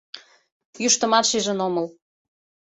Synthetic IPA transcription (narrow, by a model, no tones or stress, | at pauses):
juʃt̪ə̆mɑt̪ʃiʒə̆noməl